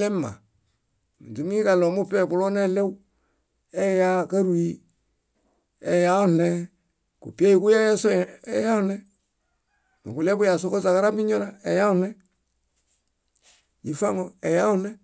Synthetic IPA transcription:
le˦mːa̰˨ | mṵ˨tu˨m˦i˦ka˨lo˨mu˦pe˦˨pu˨lo˦ne˦˨le˦w | e˦ja˦ka˦ɾu˨i˦ | e˨ja˦o˦ne˦ | kṵ˨pi˦e˦ji˨ku˦je˦so˦e˨ja˦ne˦ | ma̰˨ku˨le˦bu˦ja˨so˦ko˦sa˨ka˦ɾa˦pi˦ɲo˦ɾa˦e˨ja˦u˦˨ne˦ | ji˨fa˦ŋo˨e˨ja˦u˦ne˦

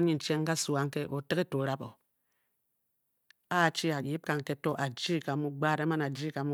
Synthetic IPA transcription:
ɲi˦n̩˨t͡ʃe˦ŋ̩˦ka˦˨su˨a˦ŋ˦ke˦ʔo˨tɨ˦ke˦to˨ɾa˦bo˨ | a˦˨t͡ʃi˦a˨ji˦p̚ka˨ŋ˨ke˦to˦ʔa˨d͡ʒi˦˨ka˨˦mu˦ɡ͡ba˦˨ɾa˦ma˦na˨d͡ʒi˦ka˨mu˦

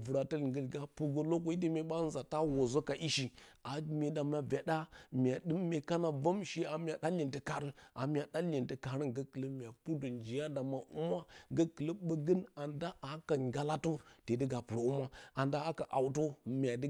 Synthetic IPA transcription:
vu˨ɾa˨tə˦lŋɡə˨lɡa˦pu˨ɡo˨lo˦k̬ʷo˦i˦t̬ə˦me˨ɓa˦n˦za˨ta˦wo˨zo˦ka˨ʔi˦ʃi˨a˨mʲe˨da˨m˦a˨vʲa˨ɗa˦mʲ˨a˨ɗɨ˦mːe˨ka˦na˨va˦mʃi˦a˨mʲ˦a˨da˦li˨ntə˨ka˨ɾɨ˦a̰˨mʲ˦˨a˨da˦lʲi˨ntə˨ka˨ɾə˦ŋɡə˦kə˨lə˦mʲ˨a˨pu˦do˨nd͡ʒi˨ja˦da˨ma˨ʔu˦ma˦ɡə˦kə˨lə˦ɓə˦ɡə˦na˨nda˦ʔa˨˦ka˨ŋɡa˦la˦to˦te˨də˦ɡa˨pɨ˨ɾo˨u˦ma˦a˨nda˦a˦ka˨ʔa˨wto˦mʲ˨a˨də˦

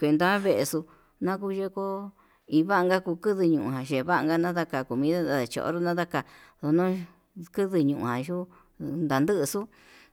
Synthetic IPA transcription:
kʷe˧nd̪a˧a˦βe˧ʔe˧su˧ | nã˦ku˦ʒe˦ko˦ | i˧βa˦˧ŋɡa˦kuː˧kɨ˦ðɨ˧ɲũ˧ʔũ˨ɦã˨ʒe˨˧βa˦ʔŋɡa˦˧nã˦ða˦ka˧ku˨mĩ˧˦ða˦a˧˨ðe˨t͡ʃo̰˨o̰˦ɾo˦nã˦ða˦ka˧˨ðo˧nõ˦ | kɨ˦ðɨ˧ɲũ˨ʔṵ̃˧hã˨ʒu˦ | nd̪a˨nd̪ɨ˦ʔsu˦

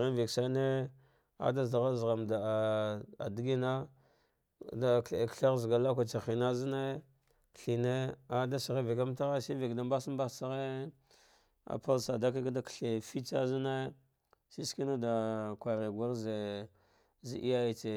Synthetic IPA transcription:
ɣi˦vi˨ksa˦ne˦ | a̰˨da˦zda˨ɣa˦zɣa˨mda˨a̰˨di˦ɡi˦na˦ | da˨kɬe˨kɬa˦ɣzɡa˨la˦k̬ʷa˨t͡ʃa˨xi˨na˦zi˦ne˦ | kɬi˨ne˦a˨da˦si˨ɣi˦vi˨ka˦m˦ta˦ɣa˦si˦vi˨kda˨mba˦si˦mba˦sa˦ɣe˦ | a̰˨pa˦lsa˨da˦k̬i˦kda˨kɬe˨fi˦t͡sa˦zi˦ne˦ | si˦ski˦na˦da˨kʷa˨ɾe˨ɡʷa˦ɾze˨ | zi˨ʔi˦ja˦ji˦t͡se˨

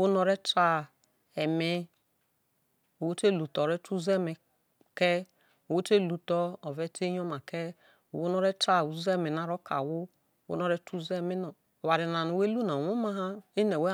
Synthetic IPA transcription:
wu˦nɔ˧ɾɛ˦tɾa˦ | ɛ˨me˦ | u˨wo˦te˦˨lu˨tɔ˨ɾɛ˦tu˦zɛ˦˨mi˨ | kɛ˦ | o˨wo˦te˦˨lu˨tɔ˦ɔ˨vɛ˦te˦jɔ˦ma˨kɛ˦ | u˨wu˦nɔ˦ɾɛ˦ta˦˨u˨u˦zɛ˦˨mi˨na˨ɾɔ˦ka̰˨wu˦˨ | wṵ˦nɔ˦ɾɛ˦tu˦zɛ˦˨mi˦nɔ˨ | wa˨ɾi˨na˨nu˨we˦lu˦na˨wo˦ma˦ɦa˦i˦nɛ˨we˦

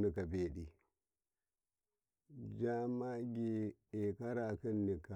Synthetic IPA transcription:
ni˨ka˨be˨ɗi˨ | d͡ʒa˦ma˦ɡi˦˨e˨ka˦ɾa˨ki˦nːi˨ka˨

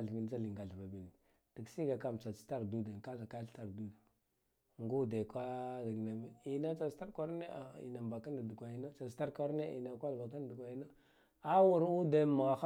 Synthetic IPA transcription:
ɮvi˨˦d͡ʒa˦li˨ŋɡa˨ɮva˨bi˨ɡi˨ | d̥i˨ksi˦ɡa˨ka˨mt͡sa˨t͡si̥˦ta˦ɾdu˦da˨nka˦za˨ka˦ɬta˨ɾdu˦d | ŋɡu˦de˨kʷa˦da˨ɡna˨mi˨i˨na˦a˨sta˦ɾkʷa˦ɾne˦a˨ḭ˨na˨mba˨ka˦nda˨du˨kʷa˨i˦no˦t͡ʃa˨sta˦ɾka˦ɾne˦ḭ˨na˨kʷa˦lba˨k̬a˦n˨du˨kʷa˨ji˦no˦ | a˦wu˨ɾu˦da˨ma˨ɣa˨x

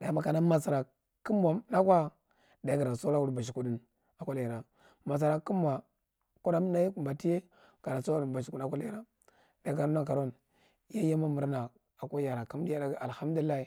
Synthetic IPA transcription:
da˨˦ma˦ka˨na˦ma˨sa˨ɾa˨ | ki˦m˦a˨na˦kwa˦ | da˨˦ɡa˨ɾa˨so˦ɾa˦wu˨ɾba˨ʃ̬i˨ku˨di˦n | a˨kʷa˦lja˨ɾa˨ | ma˨s̬a˨ɾa˨ki˦m˦a˨ | ku˦da˦m˦na˦jku˨mba˨ti˦je˦ | ka˨ɾa˨so˦˨ba˨ʃi˨ku˨˦a˦kʷa˦la˨ɾa˦ | da˨˦ka˨ɾo˦na˦ka˨ɾo˦n | ja˦ja˦ma˦mu˨ɾna˨ | a˨ko˦ja˨ɾa˨ka˦m˦di˦ja˦da˦a˨lha˦m˦du˨li˦la˦i˨

